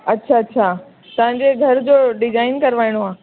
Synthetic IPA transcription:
ɐtːɕʰaɐtːɕʰa | t̪ɐʋ̤ãɲd͡ʑeɡʱɐɾd͡ʑoːɖɪd͡ʑaːɪnkɐɾʋaːiɽ̃oaː

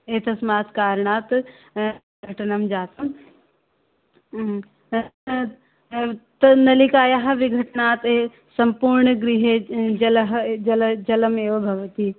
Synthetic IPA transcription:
eːt̪ɐsmaːt̪kaːɾɳaːt̪ | ɡʱɐʈnɐmd͡ʒaːt̪ɐm | t̪ɐnɐlikaːjaɦɐ̆ʋiɡʱɐʈnaːt̪e | sɐmpuːɾɳəɡɾiɦed͡ʒɐlɐɦd͡ʒɐld͡ʒɐlɐmeːʋɐbʱɐʋɐt̪i

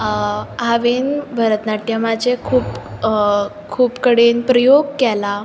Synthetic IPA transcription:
ɦaʋinbʱəɾət̪naʈjəmad͡ʑekʰuːp | kʰuːpkəɽenpɾəjoɡ̚kɛla

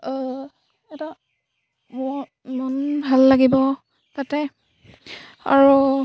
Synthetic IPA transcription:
ɛta | mɔ | mɔnbʱalːaɡibɔ | tatɛ | a̰ɹu

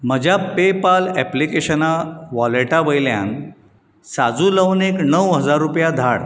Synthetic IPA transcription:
m̤əd͡ʑʱjapepalɛplikeɕənaʋɔleʈaʋəjlja̰n | sad͡zuləʋneknəwɦəd͡zaɾːupjad̪ʱaɽ

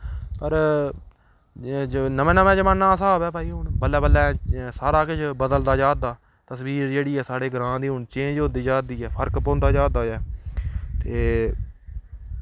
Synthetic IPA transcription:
pəɾ | d͡ʒnəmẽːnəmẽːd͡ʒəmãːnːãːəsaːɦoːbɛːpaːiːɦʊɳbəlːɛːbəlɛːsaːɾaːkɪt͡ʃbəd̪əld̪aːd͡ʒaːd̪aː | t̪əsʋiːɾd͡ʒeːɽiːɛːsaːɽeːɡɾãːd̪iːɦʊɳt͡ʃẽːd͡ʒɦoːd̪iːd͡ʒaːd̪iːɛːpʰəɾkpõːnd̪aːd͡ʒaːd̪aːɛː | t̪eː

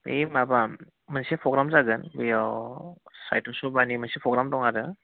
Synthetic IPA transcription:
ḛjmaba | mɯnsepʰɔɡɾamzaɡɯnbɯjawsa̰jtʰɔsubanimɯnsepʰɔɡɾamtɔŋaɾɯ

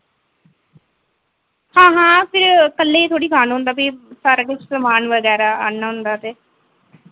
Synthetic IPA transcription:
hãːɦãːpʰɪɾkəlːeːt̪ʰoːɽiːkʰaːnɦʊ̃nd̪aːpiːsaːɾakɪt͡ʃʰsəmaːnʋəɡɛːɾaːanaːɦʊnd̪aːt̪eː

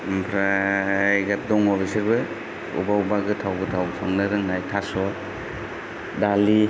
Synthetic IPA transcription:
pʰɾajɡat̚dɔŋɔpʰisaɾbɯ | ṵbaubaɡɯtʰawbɯtʰawpʰaŋnɯɾɯŋnajtʰasɔ | dali

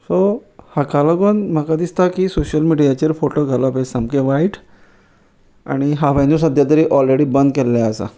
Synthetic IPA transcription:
sohakalaɡonm̤akad̪ist̪akisoɕəlmiɽijat͡ɕəɾfoʈoɡʱalɔpesamkẽʋaiʈ | a̰ɽ̃iɦaʋəjnus̬əd̪ʱjat̪əɾiʔɔlɾeɽiːbənd̪kelːaəsa̰

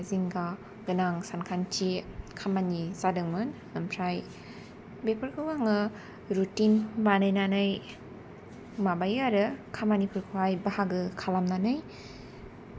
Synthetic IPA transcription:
ziŋɡa | ɡɯnaŋsankʰant͡ʃikʰamanisadɯŋmɯn | ɯmpʰɾaj | bepɯɾkʰɯwaŋɯ | ɾutinbanajnanɯj | mabajaɾɯkʰamanipʰuɾkʰɯwajbahaɡɯkʰalamnanɯj

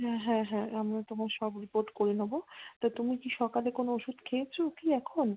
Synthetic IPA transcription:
ɦɛ̃ɦɛ̃ɦɛ̃amɾat̪omaɾʃɔbɾipoɾʈkoɾenobot̪at̪umikiʃɔkalekonooʃud̪ʱkʰeet͡ɕʰokiɛkʰon

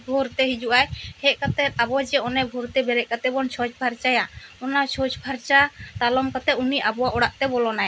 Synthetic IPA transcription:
bʱɔɾt̪ɛɦid͡ʒuʔajhɛʔkat̪ɛt̪̚abɔd͡ʒɛɔnɛbʱɔɾt̪ɛbɛɾɛʔkat̪ɛbɔnt͡ʃʰɔt͡ʃbʱaɾt͡ʃajaɔnat͡ʃʰɔt͡ʃbʱaɾt͡ʃat̪alɔmkat̪ɛuniʔabɔwaʔɔɽaʔt̪ɛbɔlɔnaj

